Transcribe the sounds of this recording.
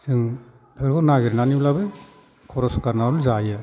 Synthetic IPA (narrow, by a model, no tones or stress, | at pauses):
sɯŋ | pʰeɾkɔnaɡiɾnaniblabɯ | kʰɔɾɔsu̥kaɾnaɔlzajɯ